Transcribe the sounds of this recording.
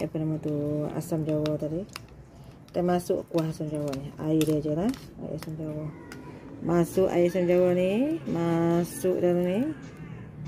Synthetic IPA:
a̰pənamat̪ua̰samd͡ʒawat̪adi | t̪amasʊʔkuaɦasamd͡ʒawaʔniha̰idəd͡ʒəlaha̰ḭʔasamd͡ʒawɔh | masuʔa̰iʔasamd͡ʒawɔhnimasuʔdaɾuni

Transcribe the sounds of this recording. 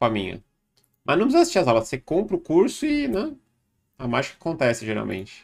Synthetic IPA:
amĩɲɐ̰ | mɐznɐ̃w̃p̬szizɐsi̥sʃt͡ʃiɾɐzawlɐssekõpɾʊkuɾsʊɪnɛ | amaʒɪkakõnt̪ɛsɪʒeɾa̰w̃mḛ̃nt͡ʃɪ̥

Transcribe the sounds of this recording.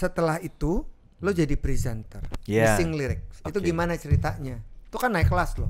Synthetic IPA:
sət̪əlahit̪u | lod͡ʒadipɾisɛnt̪ərasɪŋliɾɪk̚sit̪uɡimanat͡ʃəɾit̪aɲait̪ukanːaɪkːəlaslʊ̰

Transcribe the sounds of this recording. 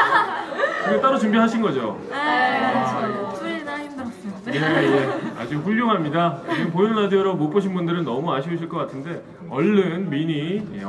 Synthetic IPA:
kɯɡet͈aɾot͡ɕumbiɦaɕʰinɡʌd͡ʑo | jeje̞a̰d͡ʑik̚ɸuɭːoŋɦamɲidampojonnadioɾomop͈ɯɕʰinbundɯɾɯnːʌmuaɕʰioɕʰiɭk͈ʌk͈atʰɯnde̞ | ʌɭːɯnmiɲi

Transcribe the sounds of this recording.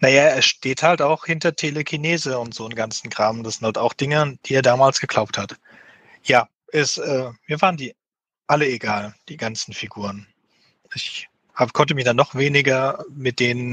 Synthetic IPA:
najaːeːɐʃteːthaltaʊxhɪntɐtʰeːlekʰineːzəʊntz̥oːənɡant͡sn̩ɡʁaːmən̩dasz̥ɪnthaltaʊxd̥ɪŋəd̥iːeːɐdaːmaːlsɡ̥əɡ̥laʊp̚that | jaː | ʔɛsʔɛːmiːɐvaːʁəndiː | ʔaləeɡaːld̥iːɡant͡sn̩fiɡuːʁən | ʔɪç | haːbəkʰɔntəmɪçd̥anːɔχv̥eːnɪɡɐmɪt̚d̥eːnən

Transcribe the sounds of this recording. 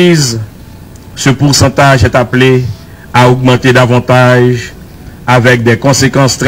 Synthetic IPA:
iz | səpuʁsɑ̃t̪aʒɛt̪aple | aoɡmɑ̃t̪ed̪avɑ̃t̪aʒ | avɛk̚d̪ɛkɔ̃sekɑ̃st̪ʁ

